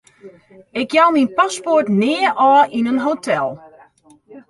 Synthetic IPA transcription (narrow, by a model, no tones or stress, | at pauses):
ɪkjawminpasportnɪəʔɔːʔinənɦoːtʰɛlˠ